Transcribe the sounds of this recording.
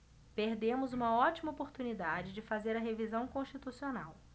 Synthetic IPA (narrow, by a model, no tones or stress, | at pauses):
peɾd̪ẽmʊzũmɐɔt͡ʃimɐopoɾt̪unid̪ad͡ʒɪd͡ʒɪfazeɾɐɦevizɐ̃w̃kõʃt͡ʃit̪usionaw